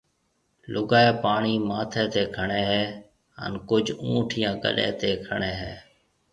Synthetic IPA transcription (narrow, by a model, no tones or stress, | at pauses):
lʊɡaːeːpaːɳiːmaːt̪ʰẽːt̪eːkʰəɳeːɦɛː | ə̰nkʊd͡ʒʱũːʈʰɪjãːkə̰ɗḛːt̪eːkʰəɳeːɦɛː